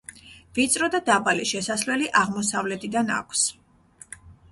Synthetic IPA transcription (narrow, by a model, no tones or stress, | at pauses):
vit̪sʼɾɔd̪ad̪abaliʃɛsaslɛliʔaʁmɔsavlɛt̪ʰid̪ana̰kʷʰs